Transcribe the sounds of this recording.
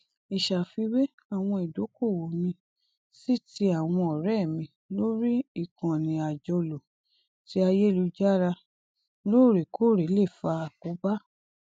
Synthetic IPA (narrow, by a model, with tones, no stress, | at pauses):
i˨ʃa˨fi˧we˦ | a˨w̃ɔ̃˧i˨do˨˦ko˦˨wo˨mĩ˧ | si˦˨ti˧˦a˨w̃ɔ̃˧ɔ˨ɾɛ˦˨mĩ˧ | lo˦ɾi˦i˦˨kã˨nĩ˨a˨d͡ʒɔ˧lo˨ | ti˨˦a˧je˦˨lu˧d͡ʒa˦ɾa˧ | lo˦˨ɾe˨kʰo˦˨ɾe˨˦le˦˨fa˧˨ko˨˦ba˦